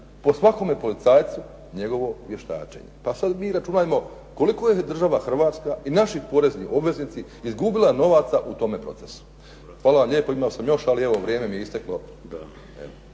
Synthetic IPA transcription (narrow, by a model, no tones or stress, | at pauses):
po̞sʋako̞me̞po̞lit̪saːjt̪su | ɲe̞ɡo̞ʋo̞ʋje̞ʃt̪a̰ːt͡ʃḛɲe̞̰pasad̪miːɾat͡ʃuːnaːjemo̞ | ko̞liko̞jed̪r̩ʒaʋaxr̩ʋaːt̪skainaʃipo̞ɾe̞zniʔo̞bʋe̞zniːt̪si | izɡuːbilajeno̞ʋat̪saʔut̪o̞me̞pɾo̞̰t̪esu̥ | xʋaːlaʋamlʎeːpoimaosamjo̞ʃalieʋo̞ʋɾje̞ːme̞mijeist̪eklo̞ | ḛo